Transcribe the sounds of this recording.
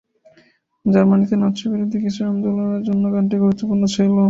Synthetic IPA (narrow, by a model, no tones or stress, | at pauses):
d͡ʑaɾmanit̪enɔt̪ːʃʰobiɾod̪ʱikiʃɾamd͡ʑolonaɾd͡ʑonːoɡanʈ̬iɡuɾut̪ːopuɾnot͡ɕʰelo